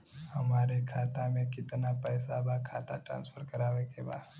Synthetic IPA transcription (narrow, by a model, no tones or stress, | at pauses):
həmaːɾekʰaːt̪amẽkɪt̪napəːsabakʰaːt̪a̰ʈɾã̰ːnsfʰəɾkəɾaːʋekeba̰ː